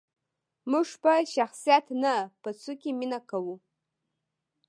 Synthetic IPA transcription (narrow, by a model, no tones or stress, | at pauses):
mɨʂpaʃaχsijatʰnɨpat͡sʰukʲiminakʰawu